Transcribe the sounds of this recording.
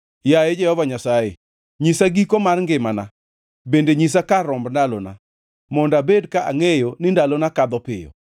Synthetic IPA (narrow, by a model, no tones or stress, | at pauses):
jajed͡ʒɛhɔvaɲasaje | ɲisaɡikomarŋɡɪmana̰ | bendeɲis̬akaɾɔmbndalona̰ | mɔndabedkaʔaŋejonɪndalonakad̪ɔpɪ̰jɔ̰